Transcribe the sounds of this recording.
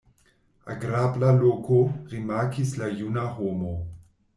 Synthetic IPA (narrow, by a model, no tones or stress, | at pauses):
a̰ɡɾablalokoʁimaːkʰislajunahomo